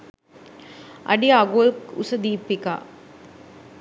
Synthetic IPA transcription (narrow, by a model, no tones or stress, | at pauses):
ʔɐ̰ɖiaɡoːlkʊsɐd̪iːpːika̰ː